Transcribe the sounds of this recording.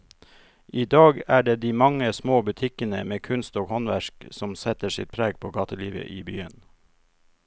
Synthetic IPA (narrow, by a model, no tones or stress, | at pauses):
ʔiːd̪ɑːɡæːɖeːd̪iːmɑŋəsmoːbʉt̪ʰɪkənə̰meːkʰʉnst̪oːɡhɔnʋæʃksɔmsɛt̪əsɪ̰t̪̚pʰɾæːɡ̚pʰoːɡɑːt̪əliːʋə̰ʔiːbyːən